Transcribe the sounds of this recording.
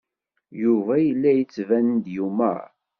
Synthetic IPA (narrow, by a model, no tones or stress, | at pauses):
juvæjəlːæjət͡sːvænənd̪jumæ̰